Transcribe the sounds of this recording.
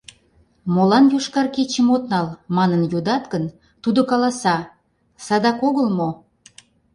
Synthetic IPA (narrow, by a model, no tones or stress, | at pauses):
molɑnjuʃkɑrket͡ɕəmot̪nɑlmɑnənjod̪ɑt̪kən | t̪ud̪okɑlɑsɑ | sɑd̪ɑkoɣəlmo